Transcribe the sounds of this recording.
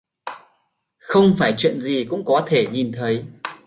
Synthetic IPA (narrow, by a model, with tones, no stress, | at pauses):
xə˧wŋ͡mfaː˧˩jt͡ɕwḭ˧˨ənzi˨˩kʊ̰˧˥ŋ͡mkɔ˨˦t̪ʰe˧˩ɲi˨˩nt̪ʰə˨˦j